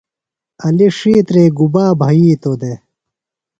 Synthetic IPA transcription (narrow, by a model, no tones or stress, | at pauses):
ɐliʂiːt̪ɾeːɡubaːbʱɐiːt̪od̪e